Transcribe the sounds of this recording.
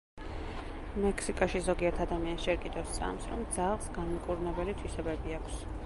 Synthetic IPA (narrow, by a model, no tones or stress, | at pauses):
mɛkʰsikʼaʃizɔɡiɛɾt̪ʰad̪amiansʃɛɾkʼid̪ɔst̪sʼa̰msɾɔmd̪zalˠsɡanimkʼuɾunɛbɛlit̪ʰwisɛbɛbiakʰs